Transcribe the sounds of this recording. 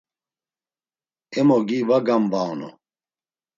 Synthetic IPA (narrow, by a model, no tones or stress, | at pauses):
ɛmɔɡivaɡambanɔ̰